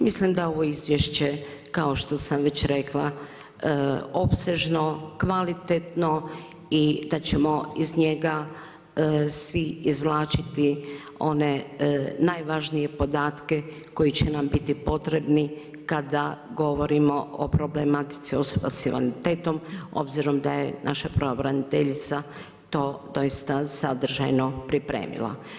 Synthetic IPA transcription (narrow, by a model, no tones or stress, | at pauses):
mislimd̪ao̞ʋo̞izʋjeʃt͡ɕe̞kao̞ʃt̪o̞samʋe̞t͡ɕɾe̞klˠa | opse̞ʒno̞kʋalit̪et̪no̞ | id̪at͡ɕe̞mo̞izɲe̞ɡa | sʋiizʋlˠaːt͡ʃit̪i | o̞ne̞najʋaʒnije̞po̞d̪aːt̪ke̞ | ko̞jit͡ɕenambit̪ipo̞t̪ɾe̞bni | kad̪aɡo̞ʋo̞ɾimoo̰pɾo̞blemat̪i̥t̪sio̞soba̰silḛnit̪eːt̪o̞mo̞̰bziɾo̞md̪ajḛnʔa̰ʃapɾoobɾanit̪eʎit̪sa | t̪o̞ːd̪o̞jist̪asad̪r̩ʒa̰jno̞pɾipɾḛːmḭla̰